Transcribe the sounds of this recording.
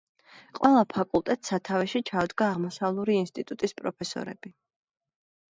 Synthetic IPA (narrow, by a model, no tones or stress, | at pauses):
qʼwʔɛlˠapʰakʼulˠt̪ʼɛt̪sat̪ʰavɛʃit͡ʃʰad̪ɡaːʁmɔsavlˠuɾiinst̪ʼit̪ʼut̪ʼispʼɾɔpʰɛsɔ̰ɾɛ̰b̥i